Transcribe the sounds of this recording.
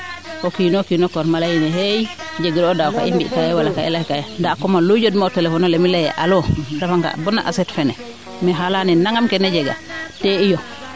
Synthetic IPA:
ʔɔkinɔkinɔkɔɾmalajinɛɦej | d͡ʒeɡiɾɔdawka̰ʔḭmbḭkajɛwalakaɛ̰lahkajandakɔmalud͡ʒodmatɛlɛfɔnɔlɛmilɛjɛ̰ʔalɔdafaŋka̰bɔnːa̰ʔa̰sɛtfɛnɛ | miɦalaninaŋamkɛnɛd͡ʒɛɡa̰tɛijɔ

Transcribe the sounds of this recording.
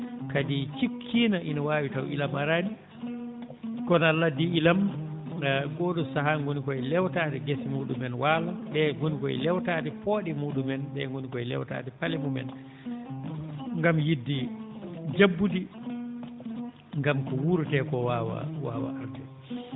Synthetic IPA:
kadit͡ʃikʰːiːnaʔinawaːwitawʔḭlamaɾani | kɔnalːadiilam | ɡɔːɗɔsaɦaŋɡonikɔɛlɛwtaːdɛɡesimuːɗumɛnwalaɓɛŋɡonikɔɛ̰lɛwtaːɗɛpoɗimuːɗumɛnɓɛ̰ŋɡonikɔɛlɛ̰wta̰ːɗɛpalimumɛ̰n | ŋɡamjidːi | d͡ʒabːudi | ŋɡamkɔwuɾtɛkɔwawa̰wa̰ːwa̰a̰ɾtɛ

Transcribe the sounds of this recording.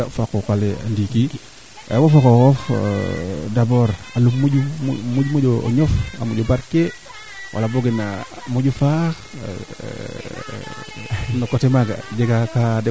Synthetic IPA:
afakokalea̰ndiki | a̰wofakokof | daboɾalummuɟumuɟumuɟo̰ɲofa̰muɟobaɾke | wʔa̰laboɡina | muɟufa | nokotemaɡa̰d͡ʒeɡakade

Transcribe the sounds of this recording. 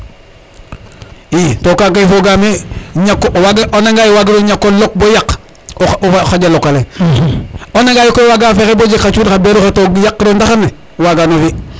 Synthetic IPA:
itokakajfoɡameɲakːwaɡʔonaŋɡajiwaɡiɾoɲakːolok̚bojak | oaxaɟalokːale | oneŋɡaːjikowaɡafekebod͡ʒikat͡ʃuːdkabeɾuxatoɡjakːdondaxane | waɡanofi

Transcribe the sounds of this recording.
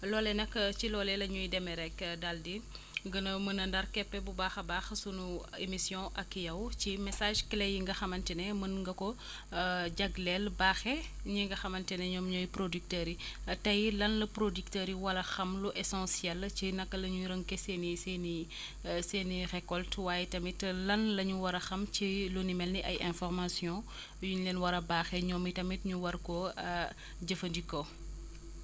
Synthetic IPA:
lɔːlɛnɐkːt͡ʃilɔːlɛlɐɲujdɛmɛɾɛkdaldi | ɡənɐmənɐndɐɾkɛpːɛbubaːxɐbaːxsunu | emisjɔ̃ʔɐkːijɐwcimɛsaːʒkɛlɛjiŋɡɐxɐmɐntɛnɛmənŋɡɐkɔ | ɟɐɡlɛlbaːxɛɲiŋɡɐxɐmɐntɛnɛɲɔmɲɔjpɾodyk̚təɾitɐjlɐnlɐpɾodiktəɾiwɐlɐxɐmluʔɛsɔ̃nsjɛlcinɐkːɐlɐɲuɾəŋkɛseːniseni | seːnirɛkɔltwaːjɛtɐmitlɐnlɐɲuwɐɾɐxɐmcilunimɛlniʔɐjʔɛ̃nfɔrmasjɔ̃ | juɲlɛnwɐɾɐbaːxɛɲɔːmitɐmitɲuwɐɾkɔ | ɟɐfɐndikɔ

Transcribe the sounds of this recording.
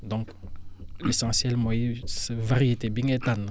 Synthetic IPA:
d̪ɔ̃ŋk | lesɑ̃sjɛlmɔ̃jisvaʁijet̪ebiŋet̪an

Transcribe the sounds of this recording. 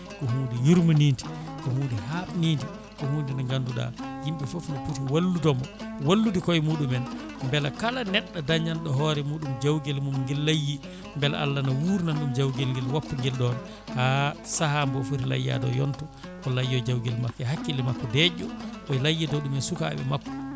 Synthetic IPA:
kɔhuːdijuɾmuniːndi̥kɔhuːndihaɓnindi | kɔhuːndinɔŋɡanduɗa̰jimɓɛfofunputiwalːudɔmɔwalːudikɔjmuɗumɛn | mbɛlakalanɛɗːadaɲːanɗɔɦɔɾɛmuːɗumd͡ʒawɡɛlmumŋɡɛlːajːi | mbɛla̰ʔa̰lːanawuːɾnanɗumd͡ʒawɡɛlŋɡɛlwapːuŋɡɛlɗɔnɛ | hasahambɔfutila̰jːa̰dɔ̰jɔntɔ | kɔlajːɔd͡ʒawɡɛlmakːɛɦakːilɛmakːɔdɛd͡ʒɔkɔjlajːidɔɗumɛnsuka̰ɓɛ̰makːɔ̥

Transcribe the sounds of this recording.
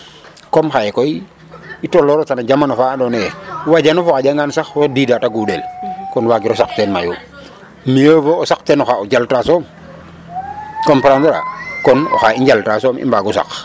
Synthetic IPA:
komxajekoi | itoloɾotanad͡ʒamanofaːdonewaɟanofoxaɟaŋɡansaxwodiːdataɡudelkɔnwaɡiɾosaktenmaju | miəvoːsakteːnoxaoɟaltasoːm | kompɾantoɾa̰kɔno̰xaiɲɟaltasoːmḭmbaɡusa̰x

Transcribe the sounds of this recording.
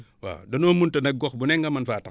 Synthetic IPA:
wa̰donoːmuntɐnɐk̚ɡɔkbunɛŋɡɐmɐnfaːta

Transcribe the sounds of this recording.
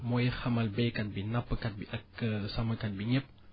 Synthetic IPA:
mojəxamalbekanbinapəkanbiʔakəsaməkanbiɲəp̚

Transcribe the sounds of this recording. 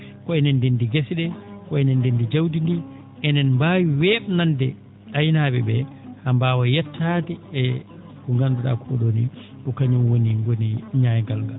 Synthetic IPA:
kɔɛnɛndindiɡesiɗɛkɔɛnɛndendid͡ʒawdindi | ɛnɛnmbaːwiwɛɓnandɛ | ajnaːbɛbɛ | hambaːwajɛtʰːaːtiɛ | uŋɡanduɗa̰kʰɔɗoniɗɔkaɲumwoniŋɡoniɲajɡalŋɡal

